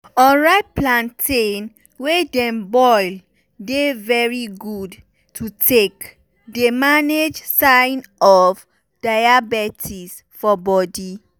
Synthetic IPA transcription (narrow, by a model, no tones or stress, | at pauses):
ɔ̃nɹaɪt̚plãntʰen | wedɛ̃mbɔɪl | devɛɹiɡud | tʰutʰek | demaned͡ʒsaɪnɔf | d̥aɪabɛtʰis | fɔbɔdi